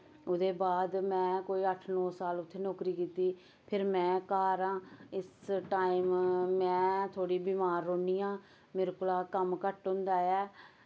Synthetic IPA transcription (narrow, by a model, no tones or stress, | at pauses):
ʊd̪eːbaːd̪mɛ̃ːkoːiːəʈʰnɔːsaːlʊt̪ʰːeːnɔːkɾiːkiːt̪iː | pʰɪɾmɛ̃ːkaːɾãːɪsʈaːimːɛ̃ːt̪ʰoːɽiːbiːmaːɾːoːniːãː | mɪɾkʊlaːkəmkəʈɦʊ̃nd̪aːɛː